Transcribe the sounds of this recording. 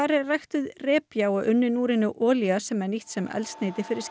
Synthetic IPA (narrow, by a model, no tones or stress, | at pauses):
aɾɪrajxt̪ʏðrɛːpjaːwaʔʏnːɪnuːɾɪnʏʔɔːliasɛmɛɾniht̪sɛmɛ̰lst̪neːjt̪ɪfɪɾɪɾ̥s